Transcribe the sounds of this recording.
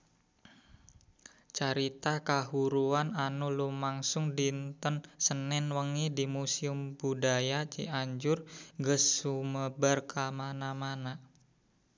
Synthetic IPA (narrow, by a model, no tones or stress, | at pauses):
t͡ʃaɾit̪akaɦuɾuananulumaŋsʊŋdint̪ənsənɛnwəŋidimusiʊmbudajat͡ʃḭaɲd͡ʒʊrŋɡəsːuməbarkamanamana